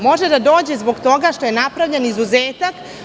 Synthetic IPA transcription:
mo̞ʒed̪ad̪o̞ːd͡ʑe̞zbo̞ɡt̪o̞ɡaʃt̪o̞jenapɾaʋʎenizuzeːt̪ak

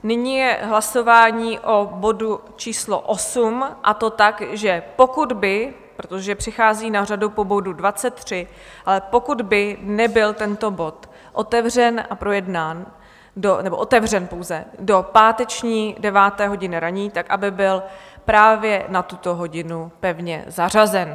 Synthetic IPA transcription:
nɪɲiːjɛɦlaso̞vaːɲiːʔo̞bo̞dut͡ʃiːslo̰ʔo̞sumʔat̪o̞t̪akʒɛpo̞kud̪bɪ | pɾot̪oʒɛpr̝̥ɪxaːziːnar̝adupo̞bo̞dudvat͡sɛt̪ːr̝̥ɪ | ʔalɛpo̞kud̪bɪnɛbɪlt̪ɛnt̪o̞bo̞t̪ | ʔo̞t̪ɛvrɛnʔa̰pɾo̞jɛdnaːn | donɛbo̞ʔo̞t̪ɛvr̝ɛnpo̞wzɛdo̞paːt̪ɛt͡ʃɲiːdɛvaːt̪ɛːɦo̞ɟɪnɪɾaɲiːt̪akʔabɪbɪl | pɾaːvjɛnat̪ut̪o̞ɦo̞ɟɪnupɛvɲɛ̰zar̝azɛn

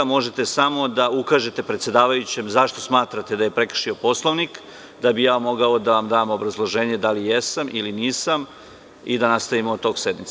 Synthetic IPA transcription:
mo̞ʒe̞t̪e̞samo̞d̪aukaːʒe̞t̪epɾet̪sjed̪aːʋajut͡ɕe̞mzaʃt̪o̞smaːt̪ɾat̪e̞d̪ajepɾe̞kr̩ʂʃio̞po̞slˠoʋnik | d̪abijaːmo̞ɡao̞d̪aʋamd̪aːmobɾazlˠoʒe̞ːɲe̞d̪alijesamʔiliniːsam | id̪anast̪aimoot̪o̞ːɡsed̪mit̪

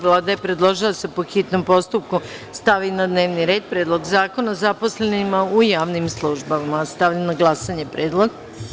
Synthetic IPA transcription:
ʋlˠaːd̪aepɾe̞d̪lˠo̞ʒilˠase̞poxit̪no̞mpo̞st̪up̚ku | st̪aʋinad̪ne̞ːʋniɾe̞ːd̪̚pɾed̪lo̞ɡzaːko̞nazapo̞sle̞nimaujaːʋnimslˠuʒbaimast̪aʋʎanaɡlˠasaɲepɾeːd̪lˠo̞ɡ

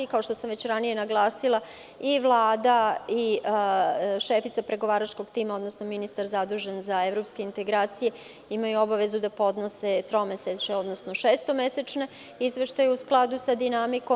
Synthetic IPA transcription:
ikao̞ʃt̪o̞samʋet͡ɕɾanije̞naɡlˠaːsilˠa | iʋlˠaːd̪ai | ʃefit̪sapɾe̞ɡo̞ʋaːɾat͡ʃko̞ɡt̪iːmaod̪nosno̞minist̪aɾzad̪ɾuːʒenzae̞vɾo̞pske̞int̪e̞ɡɾaːt̪sije̞ | imajuo̞baʋe̞zud̪apo̞d̪no̞set̪ɾo̞meset͡ɕeo̞d̪no̞sno̞ʃeːst̪o̞me̞set͡ʃne̞ | izʋe̞ʃt̪ajuusklˠad̪usad̪inamiko

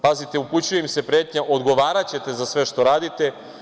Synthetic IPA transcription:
pazit̪euput͡ɕujemse̞pɾeːt̪ɲaʔo̞d̪ɡo̞ʋaːɾat͡ɕe̞t̪e̞zasʋe̞ʃt̪o̞ɾaːd̪it̪e̞

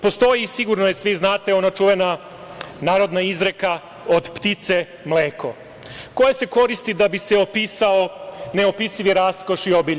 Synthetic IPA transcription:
po̞st̪o̞jisiɡuɾnojesʋiznaːt̪eo̞nat͡ʃuʋena | naːɾo̞d̪naizɾeka | od̪pt̪it̪se̞ | mleːko̞̰ | kojese̞ko̞ɾist̪id̪abiseopiːsaoneopisiʋiɾaskoʃiobiʎ

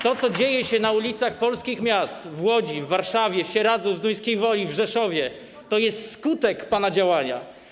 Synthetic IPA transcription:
t̪ɔt̪sɔd͡ʑejɛɕɛnaulʲit̪saxpɔlskʲixmʲjast̪vwɔd͡ʑivːaɾʂavʲjɛɕɛɾad̪zɔwzd̪ujskʲejvɔlʲivʐɛʂɔvʲjɛ | t̪ɔjɛst̪skut̪ɛkpanad͡ʑawaɲa̰

